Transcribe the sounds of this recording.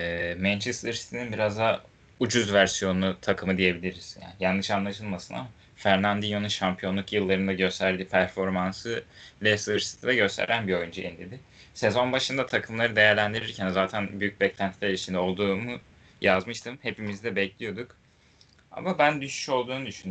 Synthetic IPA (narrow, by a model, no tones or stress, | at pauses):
ɛːmænt͡ʃʰɛst̪ɯɾsi̥t̪ʰininbiɾazd̪a | ud͡ʒuzvæɾsijo̞nut̪ʰakʰɯmɯd̪ije̞bilʲiɾiz̥ja̰ːnijanːɯʃanlˠaʃɯlˠmasɯna̰ | fæɾnʲand̪ijo̞nunʃampʰijo̞nlˠukjɯlˠːaɾɯnd̪aɟø̞st̪ʰæɾd̪iːpʰæɾfo̞ɾmansɯlʲɛst̪ɯɾsi̥t̪ʰid̪ɛɟø̞st̪ʰḛɾʔænbio̞jund͡ʒaʔind̪ed̪ɪse̞zo̞nbaʃɯnd̪at̪ʰakʰɯmlˠaɾɯd̪e̞jæɾlʲænd̪iɾiɾcʰænzaːt̪ʰænbyjyc̚bɛclʲænt̪ʰi̥lʲæɾɾit͡ʃʰind̪ɛo̞lˠd̪uːmu | jazmɯʃt̪ʰɯmhe̞pimizd̪ɛbɛclʲijo̞d̪uk | a̰mabænd̪yʃy̥ʃo̞lˠd̪uːnud̪yʃyny